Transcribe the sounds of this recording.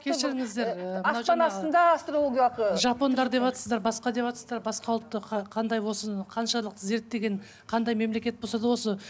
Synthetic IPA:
kʲʰeʃɪɾɪŋɪzd̪e̞ɾəmənɑwɑnɑsənd̪ɑɑst̪ɾolˠoɡʲaqəʒɑpo̞nd̪ɑɾd̪e̞pɑt̪əsəzd̪ɑɾbɑsqɑd̪e̞pɑt̪əsəzd̪ɑɾbɑsqɑwlˠt̪ːəqʰqʰɑnd̪ɑjwo̞səqʰɑnʃɑlˠəqze̞ɾt̪d̪e̞ɡʲe̞n | qʰɑnd̪ɑjme̞mle̞kʲe̞t̪̚bo̞sɑd̪əwo̞sə

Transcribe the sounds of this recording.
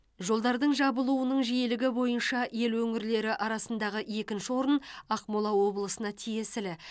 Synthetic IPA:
ʒo̞lˠd̪ɑɾd̪əɴʒɑbəlˠuwənəɴʒije̞lɪɡʲɪbo̞jənʃɑje̞lwɵŋɪɾle̞ɾɪʔɑɾɑsənd̪ɑʁəje̞kʲɪnʃɪwo̞ɾənɑqmolˠɑwo̞blˠəsənɑt̪ʰije̞sɪlɪ

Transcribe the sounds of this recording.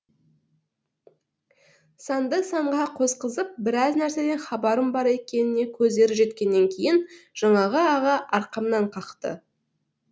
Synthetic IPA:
sɑnd̪əsɑɴʁɑqʰosqəzəp̚bɪɾɑznæɾse̞d̪e̞nχɑbɑɾəmbɑɾe̞kʲe̞nɪne̞kʲʰɵzd̪e̞ɾɪpʒe̞t̪kʲe̞nːe̞ŋkʲʰe̞jɪnʒ̥ɑɴɑʁəɑʁɑʔɑɾqɑmnɑɴqʰɑqt̪ə̰

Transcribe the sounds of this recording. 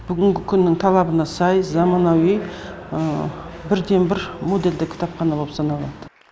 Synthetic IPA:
b̥ʏɡʲɪŋɡʲɪkʲʰʏnːɪŋt̪ʰɑlˠɑbənɑsɑjzɑmɑnɑwij | ə | bɪɾd̪e̞nbɪɾmo̞d̪e̞ld̪ɪkʲʰɪ̥t̪ʰɑpχɑnɑbopsɑnɑlˠɑd̪̥ə

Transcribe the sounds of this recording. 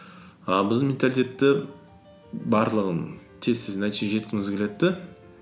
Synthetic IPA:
ɑlˠbɪzd̪ɪnmʲent̪alʲit̪ʰʲe̞t̪ːɪ | bɑɾlˠəʁən | t̪ʰesɪznæjt̪eʒe̞t̪kʲɪŋɪzɡʲele̞t̪ːɪ

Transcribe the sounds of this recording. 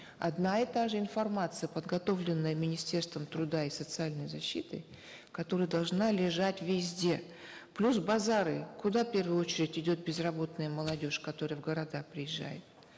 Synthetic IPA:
ɐ̰d̪naɛt̪aʐɨɪnfɐrmat̪sɨjəpəd̪ɡɐt̪o̞vlʲɪnːəjəmʲɪnʲɪsʲtʲe̞rst̪vəmt̪ɾʊd̪aɪsət̪sɨalʲnəjzɐɕːit̪ɨ̰ | kɐt̪o̞ɾɨjəd̪ɐlˠʐnalʲɪʐatʲvʲɪzʲdʲe̞ | plʲusbɐzaɾɨkʊd̪afpʲe̞rvɨjʊo̞t͡ɕɪɾʲɪtʲɪdʲo̞t̪̚bʲɪzrɐbo̞t̪nɨjəməlˠɐdʲo̞ʂkɐt̪o̞ɾɨjəvɡəɾɐd̪apɾʲɪjɪʒːa̰jɪ̰t̪

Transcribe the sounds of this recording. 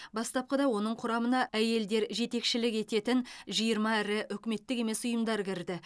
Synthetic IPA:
bɑst̪ɑp̚qəd̪ɑwo̞nəɴqʰʊɾɑmənɑʔæje̞ld̪e̞ɾʒe̞t̪e̞kʃɪlɪke̞t̪e̞t̪ɪnʒijəɾmɑæɾɪʔʏkʲɪme̞t̪ːɪke̞me̞sʊjəmd̪ɑɾkʲɪɾd̪ɪ

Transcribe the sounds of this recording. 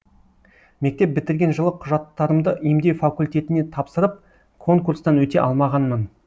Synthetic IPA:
me̞k̚t̪e̞p̚bɪt̪ɪɾɡʲe̞nʒəlˠəqʰʊʒɑt̪ːɑɾəmd̪əʔimd̪e̞wfakulʲt̪ʲe̞t̪ɪne̞t̪ʰɑpsəɾəp̚ | kʰo̞ŋkurst̪ɑnwɵt̪e̞ʔɑlˠmɑʁɑnmən

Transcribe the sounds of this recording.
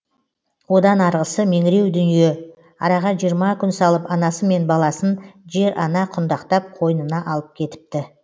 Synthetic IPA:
wo̞d̪ɑnɑɾʁəsəme̞ŋɪɾe̞wd̪ʏnije̞ | ɑ̰ɾɑʁɑʒijəɾmɑkʲʰʏnsɑlˠəpɑnɑsəme̞nbɑlˠɑsənʒe̞ɾʔɑnɑqʰʊnd̪ɑqt̪ɑp̚qʰo̞jənənɑʔɑlˠəp̚kʲʰe̞t̪ɪ̥p̚t̪ɪ

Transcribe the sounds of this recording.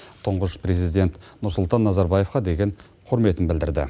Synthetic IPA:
t̪ʰʊɴʁəʃpɾe̞zid̪ʲe̞nt̪ | nʊɾsʊlˠt̪ɑnːɑzɑɾbɑje̞fqɑd̪e̞ɡʲe̞ɴ | qʰʊɾme̞t̪ɪnbɪld̪ɪɾd̪ɪ̰

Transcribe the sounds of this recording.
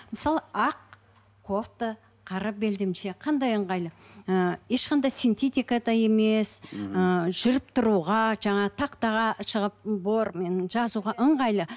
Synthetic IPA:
məsɑlˠəɑq̚ | qʰːoqt̪ə | qʰɑɾɑp̚be̞ld̪emʃe̞qʰɑnd̪ɑjəɴʁɑjlˠəəje̞ʃqɑnd̪ɑjsijnt̪et̪ʲijkad̪ɑe̞me̞səʒ̥ʏɾɪp̚t̪ʰʊɾuʁɑʒɑɴɑt̪ʰɑqt̪ɑʁɑʃəʁəp̚boɾmenʒɑzuʁɑʔəɴʁɑjlˠə

